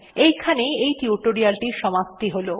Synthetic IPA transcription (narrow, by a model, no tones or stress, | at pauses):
ejkʰaneejt̪iuʈoɾialʈiʃɔmap̚t̪iɦolo